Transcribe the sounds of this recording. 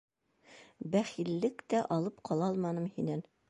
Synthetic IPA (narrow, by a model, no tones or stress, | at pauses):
bæχilːɘkt̪æʔɑlˠɤpqʰɑlˠɑlˠmɑnɤmhinæn